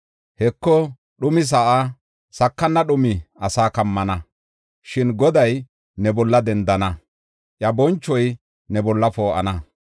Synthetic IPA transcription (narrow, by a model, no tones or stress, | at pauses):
hɛkːɔ | ɗʊmɪs̬ɐʔa | sɐkːɐnːɐɗʊmɪɐsaːkɐmːɐnɐ | ʃɪnɡɔd̪ɐj | nɛbɔlːɐd̪ɛnd̪ɐnɐ | ʔjɐbɔnt͡ʃːɔj | nɛbɔlːɐfoːʔɐ̰nɐ